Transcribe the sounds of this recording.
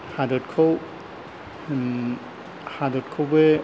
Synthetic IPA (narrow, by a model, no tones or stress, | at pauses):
hadɔtkʰaw | hadɔt̚kʰowbe